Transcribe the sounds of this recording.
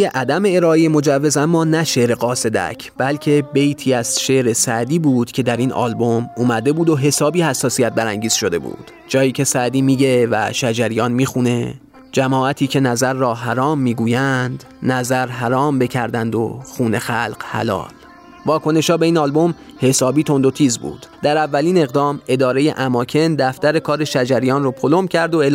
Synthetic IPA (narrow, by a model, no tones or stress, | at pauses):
eʔæd̪æme̞eɾɒːʔejemo̞d͡ʒævːe̞zæmːɒːnæʃe̞ɾeɢɒːse̞d̪æ̰cʰb̥ælcʰe̞be̞jt̪ʰiːæz̥ʃe̞ʔɾe̞sæd̪iːbuːd̪̥cʰed̪æɾiːnɒ̰ːlbo̞muːmæd̪e̞buːd̪o̞ɦe̞sɒːbiːhæsːɒːsijæt̪̚bæɾæŋɟiːz̥ʃo̞d̪e̞̰bṵːd̪̥ | d͡ʒɒːjiːcʰe̞sæd̪iːmiːɟevæ̰ʃæd͡ʒæɾijɒːnmiːxune̞ | d͡ʒæmɒːæt̪ʰiːcʰe̞næzæɾːɒːɦæɾɒːmːiːɡuːjænd̪ | næzæɾɦæɾɒːmbe̞cʰæɾd̪ænd̪o̰xuːne̞xælqhæ̰lɒ̰ːl | vɒːkʰo̞ne̞ʃhɒːbe̞iːnɒːlbo̞m | he̞sɒːbiːt̪ʰo̞nd̪ot̪ʰiːzbṵːd̪̥d̪æɾævːæliːne̞ɣd̪ɒːme̞d̪ɒːɾe̞je̞̰ʔæmɒːcʰe̞nd̪æft̪æɾe̞kʰɒːɾe̞ʃæd͡ʒæɾijɒːnropʰolomcʰæɾd̪o̞el